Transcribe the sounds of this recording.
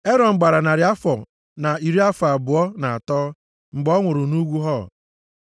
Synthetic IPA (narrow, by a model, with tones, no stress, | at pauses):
e˦ɾɔ˨ŋ͡m̩˨ɡ͡ba˨ɾa˨na˨ɾɪ˨˦a˦fɔ˨ | na˨i˨ɾi˦a˦fa˨bʊ˨ɔ˦na˨a˨tɔː˦ | ŋ͡m̩˨ɡ͡bɔ˦ŋʷʊ˨ɾʊ˨nu˦ɡʷu˦ɦɔ̰˦˨